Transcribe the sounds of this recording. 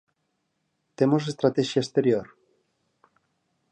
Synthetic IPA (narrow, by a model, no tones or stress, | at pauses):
t̪emosest̪ɾat̪ɛʃjaest̪eɾjoɾ